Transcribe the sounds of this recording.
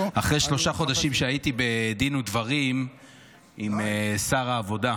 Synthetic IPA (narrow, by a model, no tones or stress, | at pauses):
aχʁejʃlo̞ʃaχo̞d̪aʃimʃeait̪ibed̪inud̪vaʁim | imesaʁaːvo̞da